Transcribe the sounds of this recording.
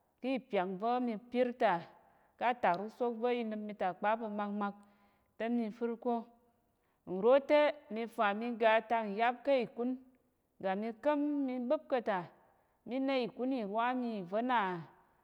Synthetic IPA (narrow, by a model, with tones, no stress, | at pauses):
kɨ˦i˦˨pʲa˨k̚vo˦mi˧pʲi˦ɾta˨ | ka˦ta˨kɾu˦so˦k̚və˦i˧nɨ˧pmi˧ta˨k͡pa˦pɐ˧ma˧kma˧k̚ | te˦mi˧fɨ˦ɾko˦ | n̩˨ɾo˦te˦mi˧fa˨mi˧ɡa˧ta˧n̩˨ja˦p̚ka˦i˨ku˦n | ɡa˨mi˧kə˦mːi˧bɨ˦p̚kɐ˧ta˨ | mi˦na˧i˨ku˦ni˨wa˦mi˧˨və˦na˨